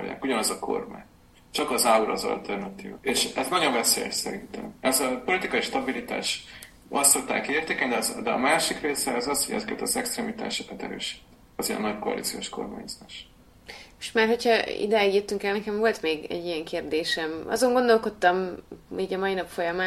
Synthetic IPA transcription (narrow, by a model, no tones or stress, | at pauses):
o̰ja̰ːkuɟɒnɒzɒkʰo̞̰rma̰ːɲ | t͡ʃɒkɒzauɾɒzɒ̰lt̪ʰɛrnɒt̪iːveːʃɛznɒɟo̞ɱvɛseːjɛ̰ʃsɛɾint̪ɛ̰mɛzɒpo̞lit̪ikɒiʃt̪ɒbilit̪a̰ːʃ | ɒst̪ːot̪ːa̰ːkeːrt̪eːkɛɲd̪ɛzd̪ɛɒ̰maːʃikreːsɛɒzɒshoɟɛ̰zɛkɛt̪ɒzɛkst̪ɾɛːmit̪a̰ːʃokɒt̪ɛɾø̰ːʃi̥t̪ | ɒziɛ̰nːɒckoɒ̰lḭt̪sijo̞ʃko̞̰rma̰ːɲzaːʃ | ʃmaːrho̞cʰhɒḭd̪ɛjiɡjøt̪ːyŋkɛlnɛkɛɱvo̞lt̪meːɡɛ̰ɟːijɛŋkeːrd̪eːʃɛmʔɒ̰zo̞ŋɡo̞nd̪o̞lko̞t̪ːɒmiːɟɒmɒinɒpfo̞jɒmaː